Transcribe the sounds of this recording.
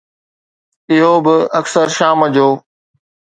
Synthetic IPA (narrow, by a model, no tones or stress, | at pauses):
ɪɦobɪɐksəɾʃaːməd͡ʑʱoː